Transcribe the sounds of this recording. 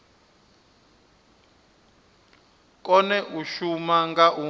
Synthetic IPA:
kʼɔnɛʔuʃumaŋɡaʔu

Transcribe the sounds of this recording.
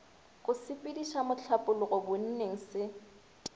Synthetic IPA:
ɣʊsɪpʼɪdiʃamʊt͡ɬʰapʼʊlʊɣɔbʊn̩neŋ̩sɪ

